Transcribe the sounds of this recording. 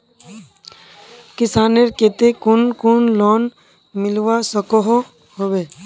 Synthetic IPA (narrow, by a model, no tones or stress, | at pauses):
kɪsaːneɾket̪ekunkunloːn | mɪlʋasəkoɦo | ɦoʋeː